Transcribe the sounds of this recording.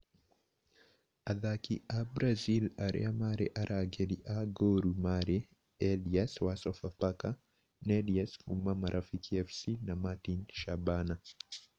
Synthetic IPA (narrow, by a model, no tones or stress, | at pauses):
aðakḭabɾazilaɾɛ̰amaɾɛ̰ʔaɾʔaɡeɗiʔaɡoːɾumaɾɛ | ɛliaswasɔfapaka | neliaskumamaɾʔafikiɛfsinamatinʃabana